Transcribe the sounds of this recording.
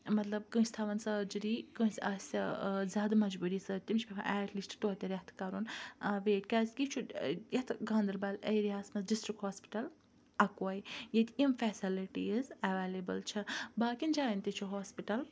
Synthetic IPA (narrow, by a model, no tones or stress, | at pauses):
mɐt̪lɐb̚kɨ̃ːsʲt̪ʰaʋɐnsɐːd͡ʒɾiːkɨ̃sʲɐsɐ̰zʲaːd̪ɐmɐd͡ʒbuːɾisɐt̪imt͡ʃʰpʲɐpʰã̰ʔɛːʈlisʈʈ̪oːt̪ʲɐɾɐht̪ʰkɐɾunʋeːʈkʲɐzɡʲit͡ʃʰujɐt̪ʰɡãːnd̪ɾbɐlɐ̰jɾiaːsmɐsɖisʈɾikhoːspi̥ʈɐl | ɐkwajjet̪ʰʲimfɛsiliʈiizɐʋeːlebɨlt͡ʃʰɐbaːkʲind͡ʒaːint̪it͡ʃʰuɦoːspiʈɐl